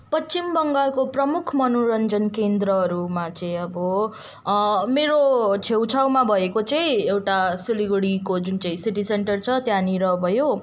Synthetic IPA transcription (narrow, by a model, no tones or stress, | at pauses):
pʌtt͡simbʌŋɡalkoprʌmukʰmʌnoɾʌnd͡zʌnkend̪ɾʌɦʌɾumat͡sʌĩʌbʌ | meɾot͡sʰewt͡sʰawmabʱʌekot͡sʌĩewʈasiliɡuɽikod͡zunt͡sʌĩsiʈiseɳʈʌrt͡sʰʌt̪janiɾʌbʱʌjo